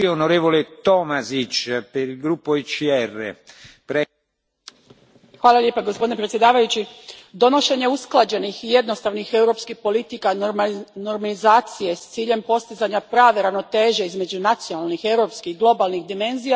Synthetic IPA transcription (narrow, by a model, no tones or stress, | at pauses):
onoɾeːvolet̪omazit͡ʃpeɾilɡɾupːoit͡ʃiɛrːḛpɾɛ | xʋaːlˠalʎepaɡospod̪inepɾet̪sje̞d̪aːʋajut͡ɕid̪o̞no̞ʃe̞ɲe̞usklˠad͡ʑe̞nixije̞d̪no̞st̪aʋnixe̞wɾo̞pskixpo̞lit̪ikanoɾmalizaːt̪sije̞st̪siːʎe̞mpo̞st̪izaɲapɾaːʋeɾaʋno̞t̪e̞ːʒe̞izme̞d͡ʑunat̪sjonalnixe̞wɾo̞pskixɡlˠo̞balˠnixd̪ime̞nzija